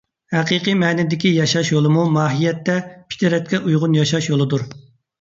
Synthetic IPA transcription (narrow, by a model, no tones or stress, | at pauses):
hæqiqɨmɛːnɪd̪ɪkʲijɑʃɑʃjolˠɨmumɑːɦijɛt̪ːɛpʰi̥t̪ʰɪɾɛt̪̚kʲɛʔujʁʊnjɑʃɑʃjolˠɨd̪uɾ